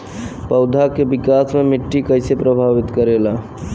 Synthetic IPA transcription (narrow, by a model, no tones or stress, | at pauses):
pəʊd̪ʱakebɪkasmemɪʈːikəɪsepɾəbʱaʋit̪kəɾela